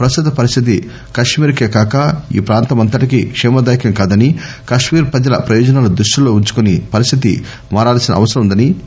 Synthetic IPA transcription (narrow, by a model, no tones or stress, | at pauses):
pɾɐst̪ut̪ɐpɐɾist̪ʰit̪i | kɐʂmiːɾkeːkaːkɐḭːpɾaːnt̪ɐmɐnt̪ɐʈikikʂɛːmɐd̪aːjkɐŋkaːd̪ɐni | kɐʂmiːɾpɾɐd͡ʒɐlɐ̰pɾɐjɔːd͡ʒɐnaːlud̪ɾuʂːulo̞ːuɲt͡ʃu̥kunipɐɾist̪ʰit̪ḭ | maːɾaːlsinɐ̰ɐ̰ʋɐsɐɾɐmund̪ɐni